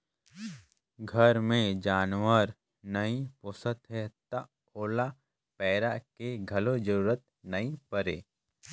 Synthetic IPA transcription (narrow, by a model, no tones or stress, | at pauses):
ɡʱəɾmẽd͡ʒaːnwəɾ | nəĩpʊsət̪ɦɛt̪ɐ | oːla | pɛːɾakeɡʱɐlod͡ʒəɾuːɾət̪̚ | nɐĩpəɾḛː